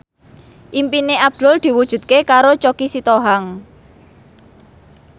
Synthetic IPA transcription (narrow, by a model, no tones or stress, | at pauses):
ʔimpineab̚d̪̥ʊ̤ld̪̥i̤wud̥ʒ̥ṳt̪̚kekaɾot͡ʃokisit̪oɦaŋ